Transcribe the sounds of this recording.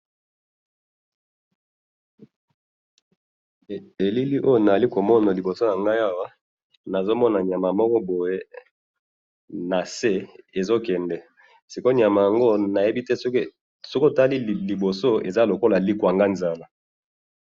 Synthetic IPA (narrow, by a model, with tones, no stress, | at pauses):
e˨li˦li˦ʔo˦jo˨na˨za˨li˦ko˨mɔ˦na˨li˨bo˨so˦ja˨ŋɡa˦ja˦wa˦ | na˨zo˦mɔ˦na˨ɲja˨ma˨mɔ˦kɔ˦bo˨je˦ | na˨se˦e˨zo˦kɛ˨ndɛ˨ | si˨ko˦ɲja˨ma˨ja˨ŋɡo˦na˨je˦bi˦tɛ˦ | so˦ko˦˨ta˦li˦li˨bo˨so˦ḛ˨za˦lo˨ko˦la˨li˦kwa˨ŋɡa˦nza˦la˨